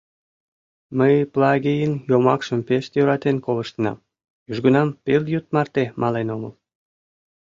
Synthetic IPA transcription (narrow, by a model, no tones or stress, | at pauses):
məjplɑɣʲejənjomɑkʃəmpeʃt̪jøɾɑt̪enkoləʃt̪ənɑ̰m | yʒɡunɑmpeljut̪mɑrt̪emʔɑlenomə̰l